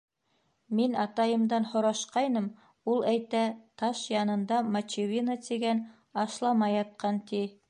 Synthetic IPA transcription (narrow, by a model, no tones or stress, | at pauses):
minɑt̪ɑjɤ̆md̪ɑnhŏɾɑʃqɑjnɤm | ulˠæjt̪æt̪ɑʃjɑnɤ̆nd̪ɑmɐt͡ɕivʲinat̪iɡæn | ɑʃlˠɑmɑjɑt̪̚qɑnt̪i